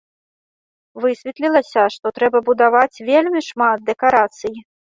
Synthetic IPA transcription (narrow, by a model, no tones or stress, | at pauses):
vɨsʲvʲɛt̪lʲilˠɐsʲɐʂt̪ɔt̪ɾɛbɐbud̪avat͡sʲvʲelʲmʲiʂmad̪̚d̪ɛkaɾat̪sɨji